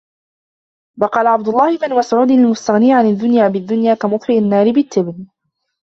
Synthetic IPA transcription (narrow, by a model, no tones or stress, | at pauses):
wɑqɑːlaʕab̚d̪ʊlˤːɑːhɪmanwasʊʕuːd̪ɪlmʊst̪aɣniːʕanad̪ːʊnjaːbɪd̪ːʊnjaːkamʊfɾɪʔanːɑːɾɪbɪt̪ːɪbn